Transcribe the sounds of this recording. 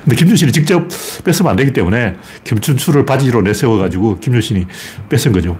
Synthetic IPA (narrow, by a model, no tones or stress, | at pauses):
kɯnde̞kimɲuɕʰinɲit͡ɕik̚t͡ɕ͈ʌp̚p͈e̞s͈ʰɯməna̰ndeɡit͈emune̞ | kjimt͡ɕʰunsʰuɾɯɭpad͡ʑiɾonesʰewʌɡad͡ʑuɡokimɲuɕʰiɲip͈es͈ɯnɡʌd͡ʑo